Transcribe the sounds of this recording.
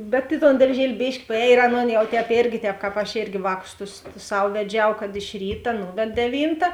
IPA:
bʲɛt ɪ toːn dɐrʲˈʒʲiɛlʲɪ ˈbʲeːʃʲkʲɪ pɐˈɛːj ɪr ˈɑːˌnoːn ˈjɛʊ tʲɛːpʲˈeːrʲɡʲɪ ˈtʲɛːp ˈkɑːp ɐʃʲˈeːrʲɡʲɪ ˈʋɑːˌkʊs tʊs ˈsɐw ʋʲɛˈd͡ʒʲɛʊ ˈkɐt ɪʃ ˈrʲiːtɐ ˈnuːʋʲɛt dʲɛˈʋʲiːntɐ

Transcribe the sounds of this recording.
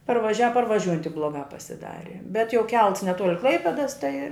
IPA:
pɐrʋɐˈʒʲæːʋɐ pɐrʋɐˈʒʲuːjɛnt tʲɪk ˈblˠoːɡɑː pɐsʲɪˈdɑːrʲɪ bʲɛt jɛʊ ˈkʲɛlˠts nʲɛˈtuɔlʲɪ ˈklˠɐɪpʲɛdɐs tɐɪ

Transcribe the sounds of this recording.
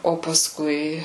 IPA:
oː pɐsˈkʊɪ

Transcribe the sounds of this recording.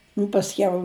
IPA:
nʊ pɐsʲˈkʲɛʊ

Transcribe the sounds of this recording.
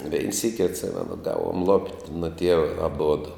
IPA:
ʋʲɛɪn ˈsʲiːkʲɪ ɐtʲˈsʲɪmʲɛnʊ ˈɡɑːʋoːm lˠoːpʲtʲ nʊ ˈtʲiɛʋɐ ɐˈbʊdʊ

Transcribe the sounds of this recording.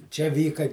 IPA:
t͡ʃʲɛ ˈʋʲiːkɐ

